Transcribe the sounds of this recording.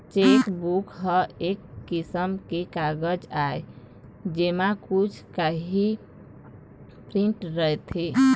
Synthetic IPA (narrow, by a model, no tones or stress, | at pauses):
t͡ʃekbukʰɦəekːisəmkekaɡəd͡ʒae | d͡ʒemakut͡ʃʰkaɦi | pɾiɳʈɾəɦet̪ʰe